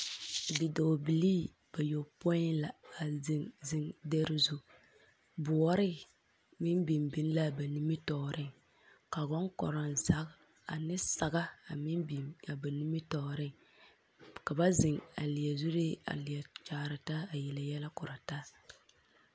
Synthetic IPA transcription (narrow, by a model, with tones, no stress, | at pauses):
dɪ˨do˨bi˨liː˦ | b̥a˨jo˨po˦ɪ˦nla˨a˨zɪ˨ŋzɪ˦ŋdɛ˦ɾɪ˦zu˦ | bʊ˨ɔ˦ɾɪ˦ | mɪ˦mbi˨mbi˦n˦la˦ba˨ni˦mɪ˦tɔ˨ɾʔɪ˦ŋ | ka˨ɡɔ˦ŋkɔ̰˨ɾɔ˨nza˦k | a˨nɪ˦sa˨ɡa˦a˨mi˦bi˨a˨ba˨ni˦mi˦tɔ˨ɾɪ˦ŋ | ka˨ba˦zɪ˨ŋa̰˨lɪ˨a˨zu˦ɾi˦a̰˨lɪ˨ja˨t͡ʃaː˨ɾɪ˨ta˦a˨jɛ˨la˨jɛ˦la˦kʊ˨ɾa˨ta˦